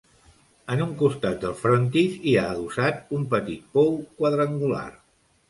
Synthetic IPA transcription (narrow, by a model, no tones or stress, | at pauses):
ənuŋkust̪at̪̚d̪əlˠfɾont̪isiaːðusat̪umpət̪it̪̚powkwəðɾəŋɡula̰r